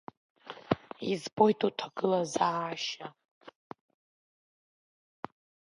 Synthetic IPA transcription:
izbo̞jtʰʼutʰaɡɨlazaaʃa

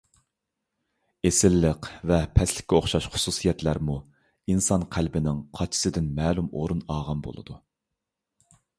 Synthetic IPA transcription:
esɪlːəqvɛpʰɛslɪ̥kʲːɛoχʃɑʃχʊ̥susijɛt̪læɾmu | insɑnqʰælbɪnɪŋqʰɑt͡ʃʰi̥sɨd̪ɪnmɛːlumo̰ɾunɑːʁɑnbo̰lˠɨ̰d̪u

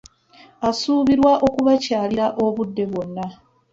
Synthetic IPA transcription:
asuːβiɾwaʔo̞kuβacaːliɾaʔo̞βudːe̞βwo̞nːa

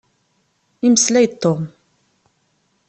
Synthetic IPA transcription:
iməslæjt̪ʰːom

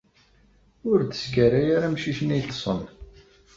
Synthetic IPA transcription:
ʊɾd̪əskæɾajaɾamʃiçnit̪sˤə̰n

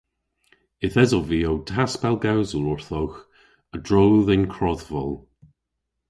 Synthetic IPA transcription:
ɪθɛzɔviːowtʰaspɛlˠɡawzəlʊɹθowx | ədɹowðɛnkʰɹɔðvɔlˠ

